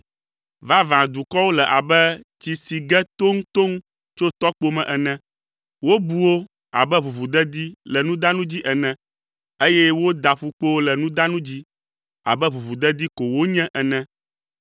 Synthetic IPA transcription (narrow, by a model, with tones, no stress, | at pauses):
va˦vã˨d̪u˨kɔ˦wo˦lɛ˨ʔa˨bɛ˦t͡ɕi˨si˨ɡɛ˦t̪o˦ŋ˦t̪o˦ŋ | t͡ʃo˦t̪ɔ˦k͡po˦mɛ̃˨ʔɛ˨nɛ̃˦ | wo˦bu˦wo˦ | a̰˨bɛ˦βu˨βu˨d̪ɛ˦d̪i˦lɛ˨nũ˦d̪a˦nũ˦d͡ʑi˦ʔɛ˨nɛ̃˦ | e˦jɛ˦wo˦d̪a˨ɸu˨k͡po˦wo˦lɛ˨nũ˦d̪a˦nũ˦d͡ʑi˦ | a̰˨bɛ˦βu˨βu˨d̪ɛ˦d̪i˦ko˨wo˦ɲɛ̃˦ʔɛ˨nɛ̃˦